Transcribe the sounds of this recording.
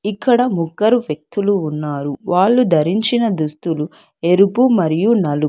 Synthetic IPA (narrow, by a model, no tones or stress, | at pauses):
ikːɐɽɐmuɡːɐɾuʋjɐk̚t̪uluːnːaːɾuʋaːɭːud̪ʱɐɾiɲt͡ʃinɐd̪ust̪ulu | eɾupumɐɾijunɐlu